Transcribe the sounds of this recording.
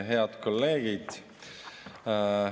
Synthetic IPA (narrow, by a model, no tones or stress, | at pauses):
ɦe̞ɑd̪̥ko̞lːe̞ːɡid̪̥